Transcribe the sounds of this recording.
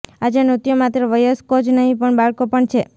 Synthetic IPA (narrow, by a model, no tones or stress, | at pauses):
ad͡ʒenut̪jomat̪ɾəʋəjəskod͡ʒnəɦĩpəɳbaɭkopəɳt͡ʃʰe